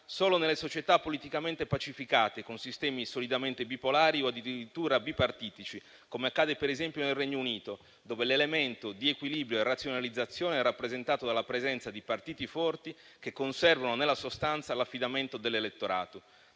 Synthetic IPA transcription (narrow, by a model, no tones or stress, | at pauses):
soːlonelːesot͡ʃet̪apːolit̪ikament̪epat͡ʃifikaːt̪ekonsist̪ɛːmisolid̪ament̪ebipolaːɾioad̪ːid̪iɾit̪ːuːɾabipart̪iːt̪it͡ʃi | komeakːaːd̪epeɾezɛmpjonelreɲːouniːt̪o | d̪oːvelelement̪od̪iekwilibɾjoerat̪sjonalid̪zːat̪sːjoːneɛrːapːɾezent̪aːt̪od̪alapɾezɛnt̪sad̪ipart̪iːt̪ifɔrt̪i | kekːonsɛrvanonelːasost̪ant̪salafːid̪ament̪od̪elːelet̪ːoɾa̰ːt̪o